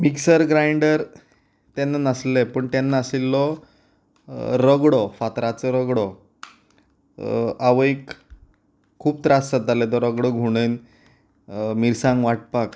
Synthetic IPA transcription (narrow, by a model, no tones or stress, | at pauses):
miksəɾɡɾajɳɖəɾ | t̪jɛnːanəslepəɳt̪janːaəsilːɔ | ɾəɡɽɔfat̪ɾat͡sɔɾəɡɽɔ | aʋəikʰ | uːp̚t̪ɾassət̪alet̪ɔɾəɡɽɔɡʱuɽ̃en | miɾsãŋɡʋaʈ̚pak